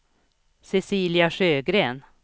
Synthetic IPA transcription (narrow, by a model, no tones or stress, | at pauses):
sɛsiːlɪaʂøːɡɾeːn